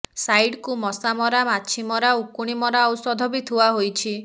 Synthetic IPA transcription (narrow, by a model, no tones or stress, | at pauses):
sajɖkumɔsamɔɾamat͡ʃʰimɔɾaukuɽ̃imɔɾaɔwsɔd̪ʱɔbit̪ʰuaɦojt͡ʃʰi